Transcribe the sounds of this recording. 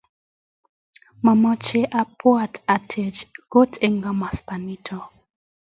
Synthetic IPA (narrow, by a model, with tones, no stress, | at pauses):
ma˨ma˦t͡ʃɛ˦ʔa˨pʰɔ˦ata˨tʰe˨d͡ʒɡ̥o˦tʰɛ˨ŋɡa˨ma˨st̪a˨ni˦tʰɔ˨